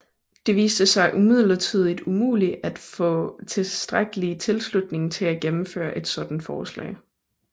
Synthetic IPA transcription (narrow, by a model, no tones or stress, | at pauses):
d̥e̝ʋḭːsd̥əsɑ̈ɪʔumið̞̰ˠlɐt͡sʰið̞̰ˠid̥umṵːliæd̥fɔ̰̽t͡sʰe̝ssd̥ʁaɡ̥əlit͡sʰe̝lslud̥ne̝ŋt͡sʰe̝æɡ̥emm̩fø̰ːɐʔe̝d̥sɒ̽d̥n̩d̥fɒːslɛ̰ːɪ